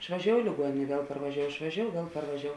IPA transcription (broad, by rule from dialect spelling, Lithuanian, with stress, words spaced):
ɪʃʋɐˈʒʲoːʊ ɪ lʲɪɡuɔˈnʲeːnʲ ˈʋʲiɛlˠ pɐrʋɐˈʒʲoːʊ ɪʃʋɐˈʒʲoːʊ ˈʋʲiɛlˠ pɐrʋɐˈʒʲoːʊ